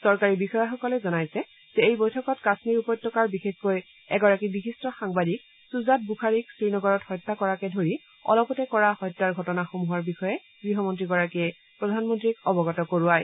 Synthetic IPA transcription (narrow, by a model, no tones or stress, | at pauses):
sɔɹkaɹibixɔjaxɔkɔlɛzɔnajsɛ | z̥ɛejbojtʰɔkɔtkasmiɹupɔjtʰːɔkaɹbixexkoj | ɛɡɔɹakibixistɔxaŋbadik | suzat̚bukʰaɹiksɹinɔɡɔɹɔthɔjtːakɔɹakɛdʱoɹi | ɔ̰lɔpɔtɛkɔɹahɔjtːaɹɡʱɔtɔnaxomuɦaɹbixɔjɛ | ɡ̥ɹiɦɔmɔntɹiɡɔɹakiɛ | pɹɔdʱanmɔntɹikɔbɔɡɔtɔkoɹuaj